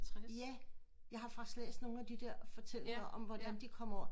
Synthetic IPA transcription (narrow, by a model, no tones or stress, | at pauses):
jæ | jɑ̈ɪɦhɑ̈fɑ̈ɡ̥sd̥lḛːsd̥no̝ːn̩æd̥id̥eɐfɒ̽t͡sʰel̰eŋɐʔɒ̽mʋɒd̥ænd̥ikʰɒ̽m̰ɐ